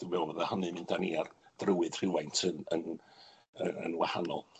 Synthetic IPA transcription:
d̥ɪmɛwˠvəðahɔnɨmɨnd̥aniard̥rəwɨð̥r̥ɪwajntʰənən | əə̰nwaha̰nɔ̰lˠ

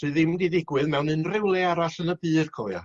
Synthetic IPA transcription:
r̥ɨðɪmdidɪɡwɨðmɛwnɨnrɪwlˠɛaɾaɬənəbɨːrkʰɔːja̰

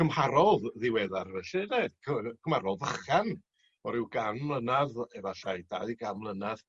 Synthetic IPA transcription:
kʰəmhaɾɔððɪwɛðarvɛɬɛnekʰəkʰəmhaɾɔðəχan | ɔɾɪwɡanmlˠənaðɛvaɬajda̰ɨɡamlˠənað

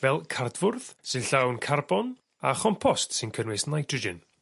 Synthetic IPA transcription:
vɛlˠkʰardvʊrð̥sɨnɬawnkʰarbɔn | aχɔmpʰɔstsɨnkʰənwɪsnajtʰrɔd͡ʒɪn

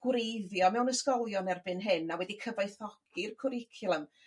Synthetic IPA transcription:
ɡ̥wɾejðjɔmɛwnəskɔlˠjɔnɛrbɨnɦɨnawɛdikʰəvajθɔɡ̥ɪrkʰʊɾɪkʰɪlˠəm

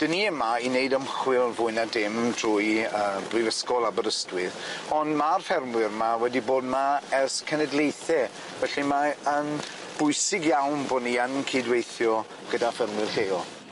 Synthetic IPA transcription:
d̥əniɛmainejdəmχwɪlˠvʊɨnadɪmd̥rʊːjəːbrɪvəskɔlˠabəɾəstwɪðɔnmarfɛrmwɪrmawɛdiboːd̚maɛskʰɛnɛdlˠejθɛ | vɛɬimaən | b̥ʊjsɪɡjawnboːdniənkʰedwejθjɔ | ɡ̥ədafɛrmwɪrheːɔ

